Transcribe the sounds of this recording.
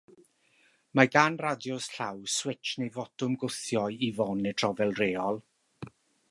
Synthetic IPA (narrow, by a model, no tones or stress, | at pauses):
maɡanradjɔsɬawswɪt͡ʃnejvɔtʊmɡʊθjɔjivɔnɛtʰrɔvɛlˠreːɔlˠ